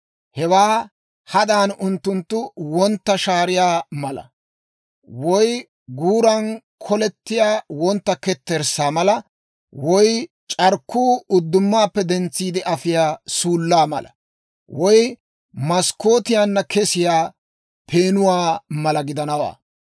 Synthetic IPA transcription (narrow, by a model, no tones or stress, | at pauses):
hɛwaː | hɐd̪aːnʊnt̪ːʊnt̪ːʊwɔnt̪ːɐʃaːɾɪjaːmɐlɐ̰ | wɔj | ɡuːɾɐn | kʰɔlɛt̪ːɪjaːwɔnt̪ːɐkɛt̪ːɛɾsaːmɐlɐ | wɔj | t͡ʃʼɐɾkːuːʊd̪ːʊmːaːpːɛd̪ɛnt͡sːiːd̪ɪʔɐfɪjaːsuːlːaːmɐ̰lɐ̰ | wɔj | mɐskːo̞ːt̪ɪjaːnːɐkʰɛsɪjaː | pʰeːnʊwaːmɐlɐɡɪd̪ɐnɐwa̰ː